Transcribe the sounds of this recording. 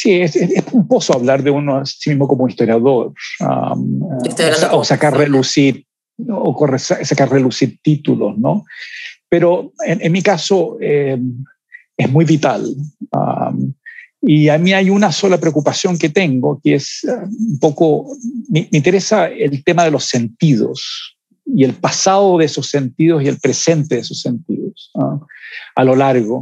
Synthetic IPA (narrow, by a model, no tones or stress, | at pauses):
sieseesumposoaβlaɾðeunoasimiɦmo̞komoist̪oɾjaðoɾa̰m | saosakarreðusiɾ | okoresasakaɾreðusiɾt̪it̪ulo̰snopeɾoenenmikasoem | ezmujβit̪a̰la̰ | iamiajunaso̞lapɾeokupasjo̞ŋket̪e̞ŋɡokeesaumpo̞komemeĩnt̪eɾesaelt̪emaðe̞lo̞se̞nt̪ið̞o̰s | ielpasaðoðesosːe̞nt̪iðosielpɾese̞nt̪e̞ðesosːe̞nt̪iðosaalo̞laɾɣo